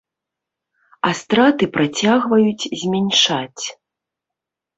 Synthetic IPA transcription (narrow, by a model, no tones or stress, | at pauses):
ast̪ɾat̪ɨpɾat͡sʲaɣvɐjut͡sʲzʲmʲɛnʲʂat͡sʲ